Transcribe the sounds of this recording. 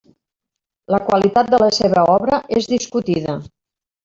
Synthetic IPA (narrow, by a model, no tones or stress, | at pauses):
ləkwalit̪at̪̚d̪ələseβəɔβɾəʔezðiskut̪iðə